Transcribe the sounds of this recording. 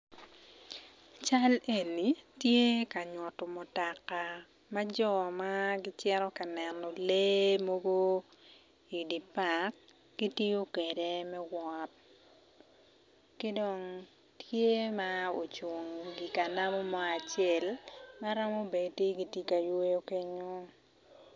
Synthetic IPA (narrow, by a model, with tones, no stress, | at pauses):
t͡ʃa˦le˦˨ni˨tje˦ka˨ɲwɔ˨tɔ˨mɔ˨ta˨ka˨ | ma˦d͡ʒɔ˦maɡɪ˦t͡ʃɛ˦ɾɔ˦ka˨nɛ˨nɔ˨le˦mo˦ɡo˦ | i˨di˨pa˨k̚ | ɡ̥i˦tji˦o˦ke˨de˦mɛ˦wɔ˦t̚ | kɪ˦dɔ˨ŋ | tʰje˦mao˨t͡ʃwo˨ŋɡi˨ka˨na˦mɔ˦mɔ˦a˨t͡ʃɛ˨lma˦ɾa˦mo˦be˨ti˦ɡi˨ti˦ka˨jo˦jo˦ke˦ɲo˦